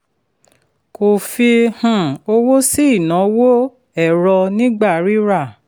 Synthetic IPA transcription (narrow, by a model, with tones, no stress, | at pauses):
ko˨fi˧hũ˨o˧wo˦si˦i˦˨nã˨˦wo˦ | ɛ˦˨ɾɔ˧nĩ˦ɡ͡ba˦˨ɾi˦ɾa˦˨